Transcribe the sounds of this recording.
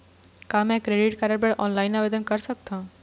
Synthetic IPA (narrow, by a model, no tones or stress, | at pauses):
kamɛ̃kɾeːɖɪʈkaːɾəɾpeɽʔɔːnlaːɪnaːʋed̪ənkəɾsək̚t̪ãː